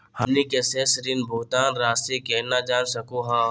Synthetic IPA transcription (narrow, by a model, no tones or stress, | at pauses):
hɐmnikesesɾɪnbʱʊːt̪aːnɾaːst̪ekɛːnad͡ʒaːnsəkõɦãː